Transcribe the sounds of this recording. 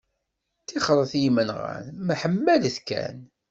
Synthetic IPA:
θiχəɾˤəθjimənʁæ̰nməħəmːæləθkæ̰n

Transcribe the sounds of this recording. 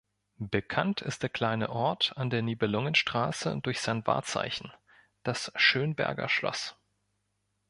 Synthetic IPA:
b̥əkʰantʰɪstd̥eːɐkʰl̥aɪnə̰ʔɔɐtandeːɐniːbəlʊŋənʃtʁ̥aːsə̰dʊɐçz̥aɪnva̰ːɐt͡sa̰ɪçn̩ | d̥asʃøːnbɛ̰ɐɡɐ̰ʃlɔ̰s

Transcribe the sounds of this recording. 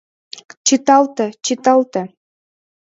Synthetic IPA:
t͡ɕit̪ɑlt̪ə̆t͡ɕit̪ɑlt̪ə̆

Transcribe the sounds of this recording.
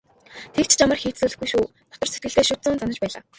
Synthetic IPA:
t̪ʰekt͡ɕʰt͡ɕamə̆rxiːt̪suːɮɘ̆xɡujʃuː | t̪ʰɔ̥t̪ɞ̆rset̪̚ɡɘ̆ɮt̪eːʃʊt̪t͡sʊːnt͡sanə̆t͡ɕpæːɮa̰ː

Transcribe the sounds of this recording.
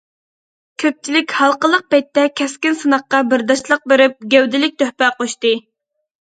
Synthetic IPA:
kʲʰøp̚t͡ʃʰilɪkʲhɑlˠqəlˠəq̚pɛjt̪ːɛkʲʰɛskʲɪnsɨnəχqːɑbɪɾd̪ɑʃlˠəq̚beɾɪp̚ɡʲæwd̪ɪlɪk̚ʲt̪ʰøhpɛqoʃt̪ɨ

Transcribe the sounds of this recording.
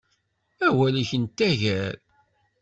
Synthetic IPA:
æwæliçənt̪ːæʝæɾ

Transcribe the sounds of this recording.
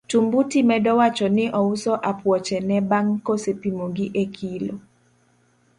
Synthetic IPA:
tumbutimɛdɔwat͡ʃɔnɪʔɔusɔʔapwɔt͡ʃɛnɛbaŋkosepimoɡiʔekʰilo

